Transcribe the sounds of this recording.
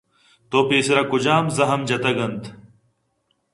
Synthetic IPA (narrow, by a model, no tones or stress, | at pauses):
t̪oːpeːseɾɐkud͡ʑaːmzɐɦɐmd͡ʑɐt̪ɐɡɐnt̪